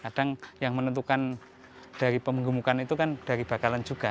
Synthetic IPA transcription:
kad̥aŋjaŋmənənt̪ukan | d̥aɾipəməŋɡumukanit̪ukand̥aɾib̥a̤kaland͡ʒuɡ̥a

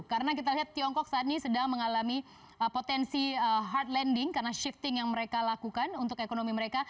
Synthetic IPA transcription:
kaɾənakit̪aliɦat̪ːiɔŋkɔk̚saːt̪̚ɲisədaŋməŋalami | əpot̪ɛnsiəɦart̪lɛndɪŋkarənaʃift̪ɪŋjaŋməɾekalakukanunt̪ʊkekonomiməɾeka

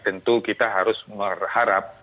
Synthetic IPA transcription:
t̪ənt̪ukit̪aɦaɾʊsmərhaɾap̚

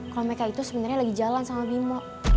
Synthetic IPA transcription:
kalomekait̪usəbənarɲalaɡid͡ʒalansamabimɔʔ

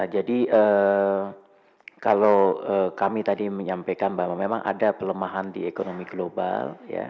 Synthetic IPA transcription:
ad͡ʒadiʔə | kalowəkamit̪adiməɲampajkanbamamema̰ŋʔa̰dapələmaɦandḭekonomiɡloba̰lja̰

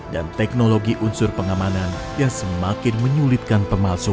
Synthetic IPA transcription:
dant̪ɛk̚noloɡiʔunsʊrpəŋamanan | jaŋsəmakɪnməɲulɪt̪̚kanpəmalsʊ

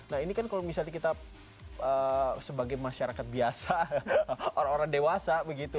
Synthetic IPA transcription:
nahinikankalomisalɲakit̪a | əsəbaɡajmaʃaɾakat̪̚biasa | oɾaŋoɾaŋdewasabəɡit̪u

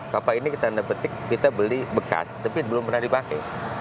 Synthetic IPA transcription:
kapainikit̪andəpət̪ɪkːit̪abəlibəka̰st̪apibəlʊmpərnahdipakɛ̰j

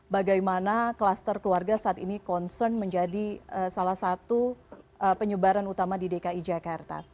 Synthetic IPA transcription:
baɡajmanakəlast̪ərkluarɡasaːt̪inikɔnsərnməɲd͡ʒadiəsalasat̪uʔəpəɲəbaɾanut̪amadidekaid͡ʒakart̪a̰

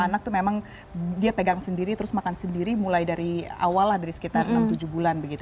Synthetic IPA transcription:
anak̚t̪umemaŋ | diapəɡaŋsəndiɾit̪əɾʊsmakansəndiɾimulajdaɾia̰walːahdaɾisə̥kit̪arʔnnamt̪ud͡ʒubulanbəɡit̪

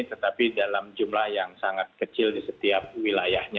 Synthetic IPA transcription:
t̪ət̪apidalamd͡ʒumlahjaŋsaŋat̪̚kət͡ʃɪldisət̪iap̚wilajahɲa

